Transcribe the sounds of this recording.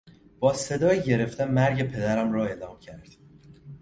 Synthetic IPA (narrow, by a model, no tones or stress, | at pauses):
b̥ɒːse̞d̪ɒːjiɟe̞ɾe̞ft̪ænmæɾɟe̞pʰe̞d̪æɾæmɾɒːe̞ːlɒːmcʰæɾd̪̥